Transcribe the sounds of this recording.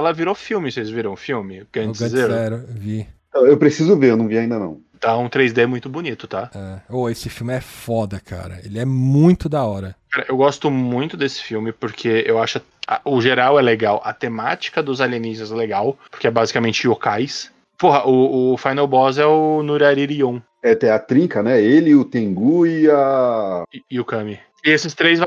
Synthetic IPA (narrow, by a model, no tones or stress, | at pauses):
ɛlɐviɾofiwmɪsejɪzviɾɐ̃w̃fiwmɪɡɐ̃d͡ʒɪzzeɾɛɾvĩt̪ɐ̃w̃ewpɾesizʊveɾewnɐ̃w̃viaĩnd̪ɐnɐ̰̃w̃ | t̪ãũt̪ɾejzd̪emũj̃t̪ʊbonit̪ʊt̪aɛoesɪfiwmɪɛfɔd̪ɐkʰa̰ɾɐ̰elɪɛmũj̃t̪ʊd̪ɐɔɾɐkaɾɐʔewɡɔst̪ʊmũj̃t̪ʊd̪esɪ̥fiwmɪpʊɾkʰeewaʃʊ | ɐ̰ʊʒeɾawɛleɡawʔɐt̪emat͡ʃi̥kɐd̪ʊzaliẽnist̪ɐzɛleɡawpoɾkeɛbazikamẽnt͡ʃɪiokajs | poɦɐʔʊːfajnɛwbɔzɛʊnuɾaɾiɾiõw̃ | ɛt̪ẽj̃ɐt̪ɾĩkɐnɛelɪʊt̪ẽŋɡuɪɐ | ɪːʊkɐ̃mɪ | ɪesɪst̪ɾejzva